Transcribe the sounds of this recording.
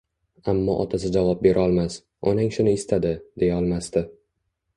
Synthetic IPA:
amːɒ̰ʔɒt̪ʰas̬ɪd͡ʒavɒp̚be̞ɾʔɒlˠmas | ɒnaŋʃʊnɪɪst̪ʰad̪ɪd̪e̞jaɒlˠmast̪ɪ

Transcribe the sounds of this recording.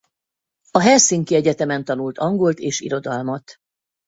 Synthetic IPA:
ɒɦɛrsiŋkiɛɟɛt̪ɛmɛnt̪ɒnult̪ɒŋɡo̞lt̪eːʃḭɾo̞d̪ɒlmɒt̪

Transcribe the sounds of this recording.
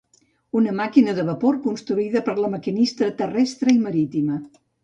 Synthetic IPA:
unəmakinəðəβəpoɾkunst̪ɾuiðəpəɾləməkinist̪ɾət̪ərɛst̪ɾəiməɾit̪imə

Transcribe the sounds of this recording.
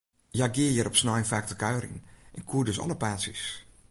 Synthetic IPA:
jaɡɪəjəɾɔpsnɔjnfaːk̚təkœɥrɪ̰ŋʔɛnkʰuədøsɔ̰ləpaːsis

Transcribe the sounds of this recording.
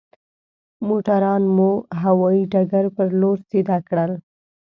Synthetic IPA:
moʈaɾɑnmuɦawɑiɖaɡaɾpəɾloɾsed̪ɑkɽəl

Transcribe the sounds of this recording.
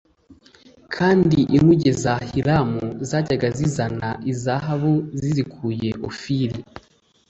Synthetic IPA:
kʰaːndiʔimuɟezahiɾamuzaːɟaɡazizanaʔizaɦaβuzizikʰuːje̞ʔo̰fiɾi

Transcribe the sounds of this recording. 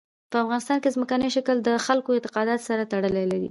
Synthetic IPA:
pəafɣɑnɪst̪ɑnkezməkanəʃakəld̪əxalkoɪnt̪ɪ̥qɑd̪ɑt̪saɾat̪aɽəlalaɾḭ

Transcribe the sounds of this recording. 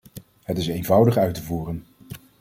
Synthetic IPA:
ɦətɪsejnvʌwdəχœɥtəvuːrən

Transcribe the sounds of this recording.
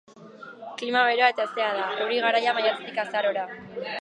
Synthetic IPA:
klimaβe̞ɾoaet̪ast̪e̞aðaewɾiɣ̞aɾajamajat͡s̪e̥t̪ikasaɾo̞ɾa

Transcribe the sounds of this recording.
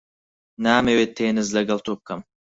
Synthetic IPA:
naːmewet̪ʰːeːnɨzlɐɡɐlt̪ʰokːɐm

